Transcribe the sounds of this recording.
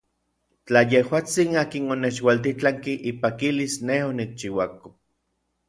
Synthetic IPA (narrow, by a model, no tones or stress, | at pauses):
t͡ɬajehwaːt͡sinaːkinonet͡ʃwalt̪it͡ɬaŋkiʔipakilisnehonik̚t͡ʃiwako